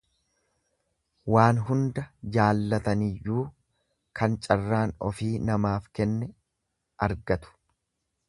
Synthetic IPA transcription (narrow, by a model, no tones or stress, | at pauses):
waːnɦʊnd̪ɐd͡ʒaːlːɐt̪ɐnɪjːuː | kɐnt͡ʃʼɐrːaːnɔ̰fiːnɐmaːfkɛnːɛ | ʔɐɾɡɐt̪ʊ̥